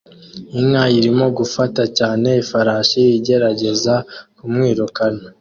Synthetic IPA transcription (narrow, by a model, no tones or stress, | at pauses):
iŋŋajiɾimo̞ɡufatacaːne̞ifaɾaːʃijiɟe̞ɾaɟe̞zakumŋiːɾukana